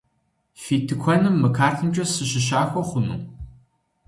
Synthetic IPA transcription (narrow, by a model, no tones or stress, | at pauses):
fiːtʰɨkʷʰɔnɨmːɨkʰaːrtʰɨmt͡ʃʼɐsɨɕɪʃ̬aːxʷɔχʷʊnṵ